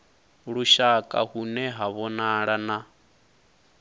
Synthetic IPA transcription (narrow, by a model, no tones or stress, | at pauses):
ɺuʃakʼa̰hunɛɦaβɔnaɺana